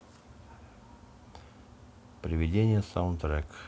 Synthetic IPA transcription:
pɾʲɪvʲɪdʲenʲɪjəsaʊnt̪ɾɛk

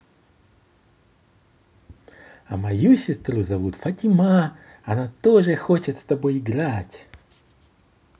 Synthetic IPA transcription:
ɐ̰mɐjusʲɪst̪ɾuzɐvut̪fɐtʲɪma | ɐnat̪oʐɨxot͡ɕɪt̪st̪ɐbo̞jɪɡɾatʲ

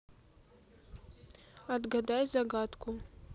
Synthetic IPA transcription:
adɡadajzaɡatʰʼkʰʷʼu

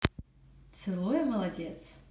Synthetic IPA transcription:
t͡s̪ʰɨlˠojmɐlˠɐdʲet̪s

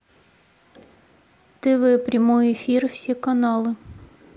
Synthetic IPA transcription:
t̪ɪʋɪpɾʲɐmɔjʊefʲirw̥sʲikɐnɑlˠɪ

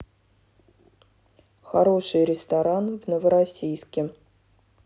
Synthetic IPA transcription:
xaɾo̞ʂɨjɾʲɪst̪aɾanvnəvəɾɐsʲijskʲɪm

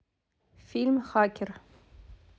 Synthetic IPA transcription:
filmχakʲʰɪr

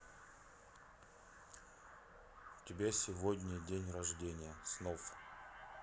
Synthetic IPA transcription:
tʲɪbʲesʲɪvodʲnʲɪdʲenʲrɐʐdʲenʲɪjəsnof

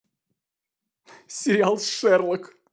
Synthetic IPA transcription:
sʲɪɾʲɪalˠʂɛrlˠək

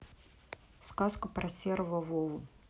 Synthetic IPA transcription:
skaskəpɾɐsʲervəvolˠʊ

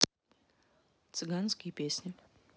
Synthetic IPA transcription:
t̪sɨɡanskʲijpʲesʲnʲɪ

